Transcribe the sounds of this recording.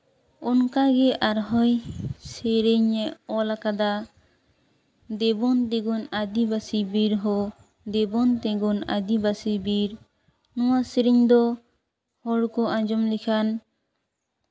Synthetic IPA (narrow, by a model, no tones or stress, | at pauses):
ɔnkaɡɛʔaɾɦɔjseɾiɲɛɔlakad̪a | d̪ɛbɔnt̪ɛɡɔnad̪ibasibiɾɦɔ | d̪ɛbɔnt̪ɛɡɔna̰d̪ibasibiɾ | nɔwasiɾiɲd̪ɔ | hɔɽkɔʔãd͡ʒɔmlikʰan